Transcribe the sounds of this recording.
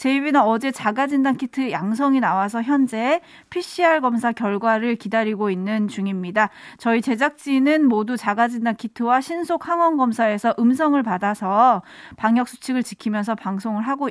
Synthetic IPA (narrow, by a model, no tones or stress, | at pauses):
t͡ɕe̞ibinanʌd͡ʑe̞t͡ɕaɡad͡ʑindankʰitʰɯjaŋs̬ʰʌŋinawas̬ʰʌçjʌnd͡ʑe̞ | pʰiɕ͈iɦaɭɡʌmsʰakjʌɭɡwaɾɯɭkidaɾiɡoinːɯnt͡ɕuŋimɲidat͡ɕʌit͡ɕe̞d͡ʑak̚t͡ɕ͈inɯnmodut͡ɕaɡad͡ʑindankʰitʰɯwaɕʰinsʰok̚haŋwʌnɡʌmsʰae̞sʰʌʔɯms̬ʰʌŋɯɭpadasʰʌpaŋjʌk̚s͈ʰu̥t͡ɕʰiɡɯɭt͡ɕikʰimjʌnsʰʌpaŋsʰoŋɯɭɦaɡo